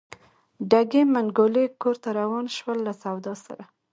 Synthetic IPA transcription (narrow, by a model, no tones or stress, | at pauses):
ɖaɡemaŋɡolekoɾt̪aɾawɑnʃwəlːasawd̪ɑsa̰ɾa